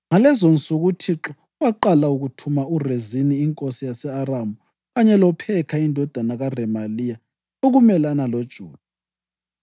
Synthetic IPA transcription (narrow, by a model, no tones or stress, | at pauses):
ŋalɛzont͡sʼuɣutʰiǁɔɣwaǃalauɣutʰumaureziniːŋkʼosijasɛaramu | ɣaɲɛlɔpʰɛkʰaindʱɔd̥ʱanaɣarɛmalija | oɣumɛlanalod̥ʒ̥ʱuːd̥̚ʱa